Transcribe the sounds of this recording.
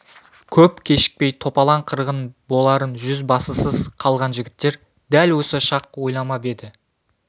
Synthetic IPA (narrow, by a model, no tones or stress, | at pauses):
kʲʰɵpkʲʰe̞ʃɪ̥k̚pe̞jt̪ʰo̞pɑlˠɑɴqʰəɾʁənbo̞lˠɑɾənʒʏzbɑsəsəzqʰɑlˠʁɑnʒɪɡʲɪt̪ːe̞ɾ | d̪ælwɵsɪʃɑq̚wo̞jlˠɑmɑbe̞d̪ɪ